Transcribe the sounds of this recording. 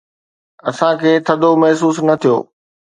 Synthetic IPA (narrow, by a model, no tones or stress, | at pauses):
ɐsãkʰeːt̪ʰɐd̪ʱomɐɦs̬uːsnɐt̪ʰijo̰ː